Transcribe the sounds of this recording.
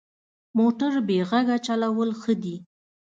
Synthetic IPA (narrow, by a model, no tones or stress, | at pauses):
moʈaɾbeɣaɡat͡ʃalawəlxəd̪i